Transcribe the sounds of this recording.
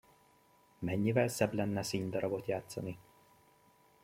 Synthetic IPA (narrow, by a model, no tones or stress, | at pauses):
mɛɲːivɛlsɛblɛnːɛsiːɲd̪ɒɾɒbo̞t̪jaːt̪sɒni